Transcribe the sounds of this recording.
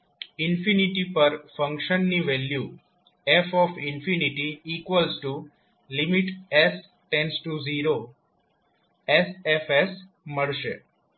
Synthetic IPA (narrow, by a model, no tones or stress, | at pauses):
ɪnfiniʈipəɾfə̃ŋkʃənːiʋelju | efɔfɪnfiniʈiːkʋəlzʈu | limiʈes | ʈẽnsʈuziɾo | esefes | məɭʃḛ